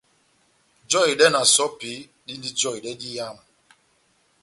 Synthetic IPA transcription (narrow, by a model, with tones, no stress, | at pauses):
d͡ʒɔ˦˨i˨dɛ˦na˨sɔ˦pi˨˦ | di˦ndi˦d͡ʒɔ˦i˨dɛ˦di˦ja˦˨ma˨